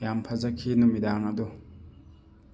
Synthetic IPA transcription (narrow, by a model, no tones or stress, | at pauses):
jampʰɐzɐkʰinumidaŋɐd̪u